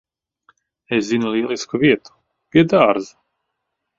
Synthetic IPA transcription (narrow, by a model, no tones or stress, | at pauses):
eszinulʲˠiɛlˠiskuviɛt̪u̥ | piɛd̪aːɾz